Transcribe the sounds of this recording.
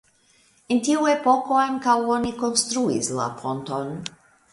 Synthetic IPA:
ɪnt̪iwwepɔkoankawɔnikɔnst̪ɾuḭzla̰pʰɔnt̪ɔn

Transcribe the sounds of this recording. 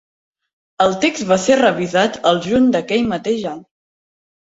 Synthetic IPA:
əlˠt̪ekzβaserəβizat̪əlˠʒuɲd̪əkɛʎmət̪eʒaɲ

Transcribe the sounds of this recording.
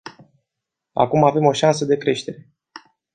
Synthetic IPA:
a̰kumave̞mo̞ʃansəd̪e̞kɾe̞ʃt̪e̞ɾe̞

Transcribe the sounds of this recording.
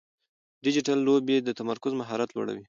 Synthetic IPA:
ɖɪd͡ʒɪʈalːobed̪ət̪amaɾkʊzmaɦɑɾat̪lo̰ɽa̰wi

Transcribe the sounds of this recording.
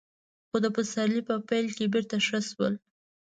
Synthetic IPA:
xod̪əpəsaɾlipəpajlkebeɾt̪aʃəʃwə̰l

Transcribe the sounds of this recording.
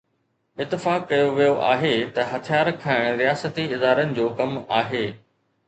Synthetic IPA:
ɪt̪ːɪfaːkːɐjoʋijoʔa̰ːɦet̪ɐɦɐt̪ʰijaːɾkʰaːɪɽ̃ɾijaːsət̪iɪd̪aːɾənɪ̆d͡ʑoːkɐmaːɦeː

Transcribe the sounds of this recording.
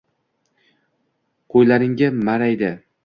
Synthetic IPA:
qʰojlaɾɪŋɡʲamaɾajd̪ɪ

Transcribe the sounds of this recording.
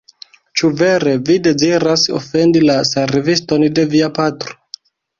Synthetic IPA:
t͡ʃuve̞ɾe̞vide̞ziɾaso̰fe̞ndilaseɾivisto̞nde̞viapatɾo̥

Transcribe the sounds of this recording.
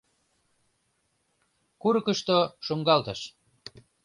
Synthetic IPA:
kuɾɤkəʃt̪oʃoŋɡɑlt̪əʃ

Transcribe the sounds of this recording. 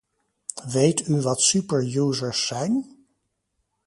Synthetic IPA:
ʋejtyʋɑtsypəɹjuːzəɹsːɛjn

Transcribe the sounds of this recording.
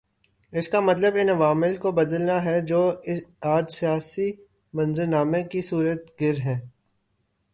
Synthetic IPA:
ɪskamɐt̪ləbɪnɐʋaːmɪlkobɐd̪əlnaɦɛd͡ʒoːɪaːd͡ʒsijaːsi | mɐ̃nzəɾnaːmẽkisuːɾət̪ɡɪɾɦɛ̃ː

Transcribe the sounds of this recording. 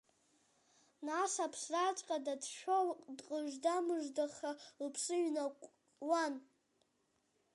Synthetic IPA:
nasapʰsrat͡ʃʼqʼadadʃʷᶣodqʼəʒʷdamɨʒʷdaχalpʰʂɨɥna | wan

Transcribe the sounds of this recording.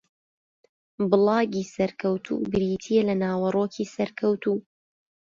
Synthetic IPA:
bɨlˠɑːɡiːsɐɾkʰɐwt̪ʰṵɡɨɾiːt̪ʰiːelɐnaːwɐroːkʰiːsɐɾkʰɐwt̪uː

